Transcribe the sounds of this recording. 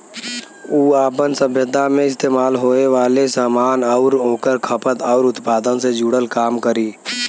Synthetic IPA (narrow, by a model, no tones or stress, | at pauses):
uːaːpənsəbʱjəd̪ʱamẽɪs̬t̪eːmaːlɦoːneʋaːlesaːmaːnɔʊɾɦoːkəɾkʰəpət̪ɔːɾʊt̪paːd̪ənsed͡ʒuːɽəlkaːmkəɾiː